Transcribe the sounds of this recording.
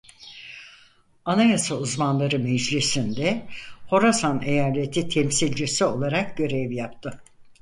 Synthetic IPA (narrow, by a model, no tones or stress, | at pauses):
anajasauzmanlˠaɾɯmɛd͡ʒlʲisind̪ɛho̞ɾasanejaːlʲet̪ʰit̪ʰɛmsilʲd͡ʒisio̞lˠaɾak̚ɟø̞ɾɛvjapt̪ʰɯ